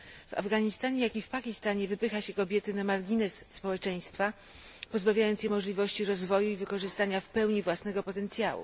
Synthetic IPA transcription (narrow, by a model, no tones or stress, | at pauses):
va̰vɡaɲist̪aɲɛjakʲifpakʲist̪aɲɛvɘpɘxaɕɛkɔbʲjɛt̪ɘnamaɾɡʲinɛsːpɔwɛt͡ʂɛj̃st̪fa | pɔzbavʲjajɔnt̪sjɛmɔʐlʲivɔɕt͡ɕiɾɔzvɔjuivɘkɔʐɘst̪aɲafpɛwɲivwasnɛɡɔpɔt̪ɛnt̪sʲjawṵ